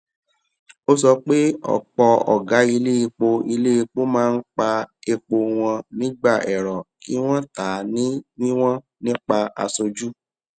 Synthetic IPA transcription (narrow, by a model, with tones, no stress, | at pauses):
o˦sɔ˧k͡pe˦ɔ̰˦˨k͡pɔ˧ɔ̰˨ɡa˨˦i˧le˦i˧k͡po˧i˧le˦i˧k͡po˦mãː˦˧n̩˦k͡pa˧e˧k͡po˧w̃ɔ̃˧nĩ˦ɡ͡ba˦˨ʔɛ˨ɾɔ˨ki˨˦w̃ɔ̃˦ta˨˦nĩ˨˦nĩ˦w̃ɔ̃˦ | nĩ˦k͡pa˧a̰˧so˧d͡ʒu˦